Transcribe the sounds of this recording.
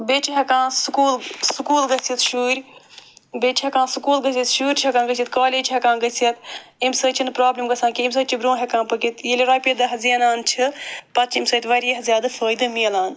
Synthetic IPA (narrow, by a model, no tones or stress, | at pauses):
beːt͡ʃʰiɦekãːsukuːlsukuːlɡɐsit̪ʃuːɾʲ | beːt͡ʃʰɦekãːsukuːlɡɐsʲit̪ʃuːɾʲt͡ʃʰɦɛkaːɡəsit̪kaːleːd͡ʒɦɛkãːnɡɐsɐt̪imsəːt͡ʃʰinpɾaːblʲimɡɐsʰãːkiimsəːt͡ʃʰibɾõːɦʲekãːnpɐkit̪jilʲiɾaːpʲid̪ɐɦɐziɐnaːnt͡ʃʰɨpɐt̪t͡ʃʰimsəːt̪ʲʋɐɾijɐɦɐzʲjaːd̪ɨfəːjd̪ɨmiɐlaːn